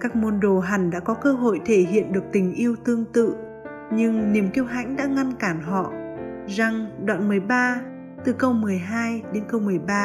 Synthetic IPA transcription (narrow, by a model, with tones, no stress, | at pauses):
kaː˦˥k̚mo˧nɗo˨˩ɦa˨˩ŋɗa̰ː˧˥kɔ˨˦kəː˧ɦo̰˧˨jt̪ʰe˧˩ɦḭ˧˨ənɗɨ˨˩ək̚t̪ï˨˩ŋ̟ʔi˧əwt̪ɨ˧əŋt̪ɨ̰˧˨ | ɲɨ˧ŋni˨˩əmki˧əwɦa̰˧˥jŋ̟ɗa̰ː˧˥ŋa˧nkaː˧˩nɦɔ̰˧˨za˨˩ŋɗwa̰ː˧˨nmɨ˨˩əjɓaː˧ | t̪ɨ˨˩kə˧wmɨ˨˩əjɦaː˧jɗe˨˦nkə˧wmɨ˨˩əjɓaː˧